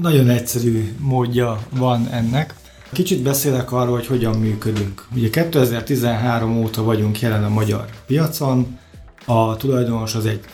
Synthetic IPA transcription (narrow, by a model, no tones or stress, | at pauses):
nɒɟo̞nɛcsɛɾyːmoːɟːɒvɒnɛnːɛk | kit͡ʃid̪̚bɛseːlɛkɒrːoːlhɦo̞cho̞ɟɒmːyːkød̪yŋkuɟɛkɛt̪ːøɛzɛrt̪izɛnɦaːɾo̞moːt̪ɒvɒɟuŋkjɛlɛnɒmɒɟɒ̰rpijɒt̪so̞n | ɒt̪ulɒjd̪o̞no̞ʃɒzɛɟ